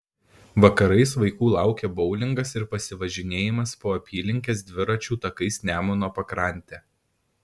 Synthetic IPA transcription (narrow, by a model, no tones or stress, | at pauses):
ʋɐkɐɾɐɪsʋɐɪkuːlˠɑˑʊkʲeːbɒʊlʲɪŋɡɐsɪɾpɐsʲɪʋɐʒʲɪnʲeːjɪmɐspoːɐpʲiːlʲɪŋʲkʲeːs̬d̪ʲʋʲɪɾɐt͡ʃʲuːt̪ɐkɐɪsnʲæːmoːnoːpɐkɾɑˑnʲˑt̪ʲeː